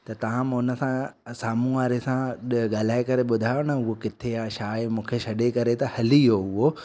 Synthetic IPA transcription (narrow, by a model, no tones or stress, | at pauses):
t̪ɐt̪ɐʋ̤ãmʊnə̆sãsaːmuaːɾesãɗɠaːl̤aːɪkɐɾeɓʊd̪ʱaːjonɐʊɦokɪt̪ʰeaʃaːemũːkʰeʃɐɗekɐɾet̪ɐhɐlijoɦʊɦo